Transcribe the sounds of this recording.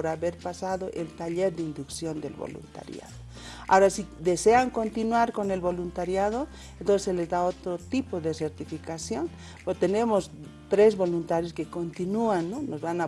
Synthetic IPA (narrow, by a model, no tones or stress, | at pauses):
pɾaβeɾpasaðoʔelt̪aʎeɾd̪eind̪uksjo̞nd̪ḛlβo̰lṵnt̪a̰ɾja̰ðo | a̰oɾasid̪e̞seaŋko̞nt̪inwaɾko̞ne̞lβo̞lunt̪aɾjaðo | ent̪onseselezd̪aot̪ɾot̪ipoðeseɾt̪ifikasjo̞n | pot̪e̞nemos | t̪ɾe̞zβo̞lunt̪aɾjoskeko̞nt̪inuanːonozβana